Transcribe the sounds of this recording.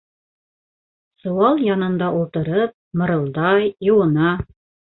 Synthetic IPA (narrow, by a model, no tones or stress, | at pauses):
sŏwɑlˠjɑnɤ̆nd̪ɑʔulˠt̪ɤ̆ɾɤp̚mɤ̆ɾɤ̆lˠd̪ɑjjɤ̆wɤ̆nɑ